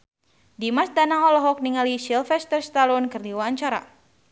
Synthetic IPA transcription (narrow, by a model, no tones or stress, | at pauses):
dimasdanaŋɔlɔɦɔk̚niŋalisilfɛst̪ərst̪alɔnkɨrdiwaɲt͡ʃaɾa̰